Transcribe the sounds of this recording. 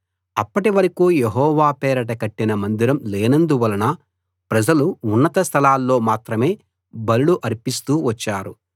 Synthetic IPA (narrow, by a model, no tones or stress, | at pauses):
ɐpːɐʈiʋɐɾɐkuːjeɦɔːʋaːpɛːɾɐʈɐkɐʈːinɐmɐnd̪iɾɐmleːnɐnd̪uʋɐlɐnɐ | pɾɐd͡ʒɐluːnːɐt̪ɐst̪ʰɐlaːlːo̞ːmaːt̪ɾɐme̞ː | bɐluɽuʔɐɾpist̪uːʋɐt͡ʃːaːɾṵ